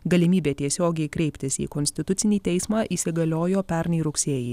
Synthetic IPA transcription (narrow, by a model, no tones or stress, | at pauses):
ɡɐlʲɪmʲiːbʲeːt̪ʲiɛsʲoːɡʲɛɪkɾʲɛɪpʲt̪ʲɪsḭːkɔnʲsʲt̪ʲɪt̪ʊt̪sʲɪnʲiːt̪ʲɛɪsmɑːʔiːsʲɪɡɐlʲoːjoːpʲɛɾʲnʲɛɪɾʊksʲeːjɛ